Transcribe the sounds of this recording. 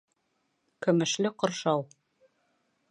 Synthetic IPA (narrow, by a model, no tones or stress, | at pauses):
kɵ̆mɘ̆ʃlɘqŏɾʃɑw